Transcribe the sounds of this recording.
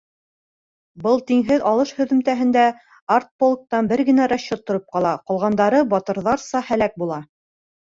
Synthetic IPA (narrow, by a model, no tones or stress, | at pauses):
bɤlˠt̪iŋɦɘðɑlˠɤʃhɵ̆ðɵ̆mt̪æɦɘ̆nd̪æ | art̪̚polˠk̚t̪ɑnbɘɾɡɘ̆næɾaɕːot̪ːŏɾɤp̚qɑlˠɑqŏlˠʁɑnd̪ɑɾɤbɑt̪ɤ̆ɾðɑɾsɑhælæk̚bulˠɑ